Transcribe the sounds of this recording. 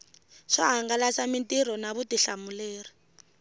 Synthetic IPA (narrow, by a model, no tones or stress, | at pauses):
ʂa̰ɦaŋɡalasamintʼiɾɔnaβutiɬamuleːri